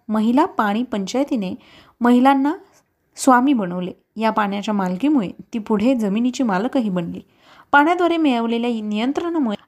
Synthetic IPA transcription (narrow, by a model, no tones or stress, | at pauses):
məɦilapaɽ̃iːpəɲt͡ɕajt̪ine | məɦilanːa | sʋamiːbəɽ̃əʋle | japaɽ̃jat͡ɕjamalkiːmuɭet̪iːpuɽ̤ed͡zəminit͡ɕiːmaləkaɦiːbəɳlḭː | paɽ̃jad̪ʋaɾemeɭəʋleljanijənt̪ɾəɳəmuɭe